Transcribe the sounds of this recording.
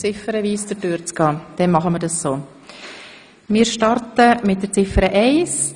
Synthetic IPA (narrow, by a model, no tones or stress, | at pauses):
t͡sɪfəɾəviːsd̥əɾdyːɾt͡skɑːd̥ɛnmɑχəməɾdɑssoː | mɪːɾʃtɑɾtəmɪtdət͡sɪfəɾəʔɛɪs